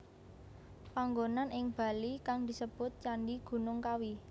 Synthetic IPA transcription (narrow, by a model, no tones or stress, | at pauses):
paŋɡonanɪŋb̥a̤likaŋd̪̥i̤səb̥ʊt̪̚t͡ʃanɖiɡ̥ṳnʊŋkawi